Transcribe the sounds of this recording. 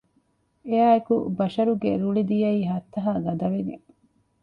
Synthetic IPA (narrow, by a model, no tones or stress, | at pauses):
eaːekubɐʃɐɾuɡḛɾuɭid̪ijɐiːɦɐt̪ːɐɦaːɡɐd̪ɐʋenḭ